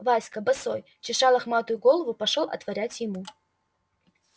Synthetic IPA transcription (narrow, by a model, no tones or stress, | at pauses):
vasʲkəbɐsoj | t͡ɕɪʂalˠɐxmat̪ʊjʊɡo̞lˠvʊpɐʂolˠʔɐ̰t̪vɐɾʲætʲjɪmu